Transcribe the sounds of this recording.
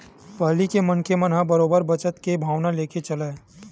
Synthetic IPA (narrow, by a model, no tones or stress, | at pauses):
pɐɦlikemɐnkemənɦãbəɾoːbəɾbət͡ʃət̪kebʱaːʋnaleːket͡ʃɐla